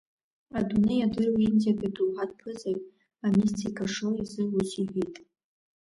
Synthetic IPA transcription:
adunejadɨrwinzaɡaduwħad̚pʰɨzajʼ | amistʰikʰaʂoizɨusiħʷijtʼ

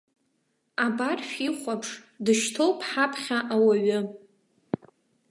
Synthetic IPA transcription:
abarʃᶣiχʷapʰʂ | dɨʃtʰowpʰħapʰχʲaʔawaɥʊ

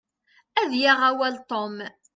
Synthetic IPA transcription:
æðjaʁæwælt̪ˤom

